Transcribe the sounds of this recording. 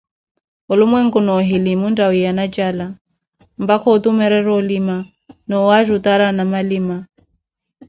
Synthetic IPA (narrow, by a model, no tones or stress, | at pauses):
ɔlʊmwɛŋ̩kunɔɦilimundawijanat͡ʃʼala | m̩bakʰɔut̪umɛɾɛɾɔlima | nɔwaʒut̪aɾanamaliːma